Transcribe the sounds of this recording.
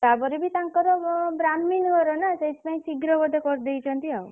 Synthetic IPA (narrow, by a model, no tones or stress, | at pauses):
t̪apɔɾebit̪aŋkɔɾɔbɾamːinɡɔɾɔnaseispaĩsiɡɾɔbɔd̪ʱekɔɾd̪ejt͡ʃʰɔnt̪iaw